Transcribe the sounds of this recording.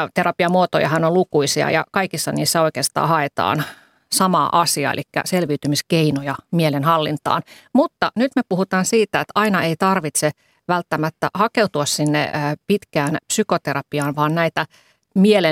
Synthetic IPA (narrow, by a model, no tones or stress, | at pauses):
t̪eɾɑpiɑmuot̪ojɑ̰hɑnolukuisiɑ̰jɑ̰kɑikisːɑniːsːæoikeːst̪ɑ̰ːhɑet̪ɑ̰ːn | sɑmɑ̰ʔɑsiɑ̰ḛlʔikːæ̰selʋiːt̪ymiskeinojɑmielenhɑlːint̪ɑ̰ːnmut̪ːɑnyt̪mepuhut̪ɑːnsiːt̪æet̪ɑinɑeit̪ɑrʋit̪se | ʋælt̪ːæmæt̪ːæhɑkeut̪uɑssinːḛːpit̪kæːnpsykot̪eɾɑpiɑːnʋɑːnnæit̪æ | miele